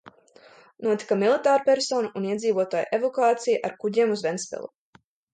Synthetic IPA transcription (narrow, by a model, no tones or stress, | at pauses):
nuɔt̪i̥kamilˠit̪aːɾupɛɾsoːnuʔːniɛziːvuɔt̪aːjʔevɔkaːt̪sijaʔaɾkuɟiɛmuzvɛnspɛ̰lˠṵ